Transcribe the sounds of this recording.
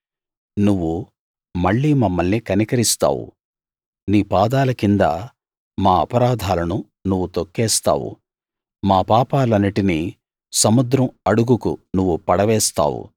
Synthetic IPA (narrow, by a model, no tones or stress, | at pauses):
nuʋːu | mɐɭːiːmɐmːɐlnikɐnikɐɾist̪a̰ːwṵ | niːpaːd̪aːlɐkind̪a | maːɐpɐɾaːd̪ʱaːlɐnu | nuʋːut̪okːɛːst̪a̰ːwṵ | maːpaːpaːlɐnːiʈini | sɐmud̪ɾɐmɐɽuɡukunuʋːupɐɽɐʋɛːst̪a̰ːwṵ